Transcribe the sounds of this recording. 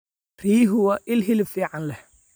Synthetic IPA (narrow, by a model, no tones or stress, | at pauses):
riːɦʊwɐʔɪlɦɪlɪfiːʕɑnlɛh